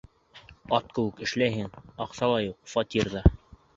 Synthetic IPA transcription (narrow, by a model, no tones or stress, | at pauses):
ɑt̪̚kɘ̆wɘkɘ̆ʃlæjɦɘŋɑqsɑlˠɑjuq̚fɑt̪ʲiɾðɑ